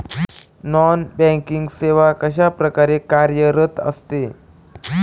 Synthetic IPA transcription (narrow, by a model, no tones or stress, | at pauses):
nɔnbɛ̃ŋkiŋɡseʋakəɕapɾəkaɾekaɾjəɾət̪ə̰st̪e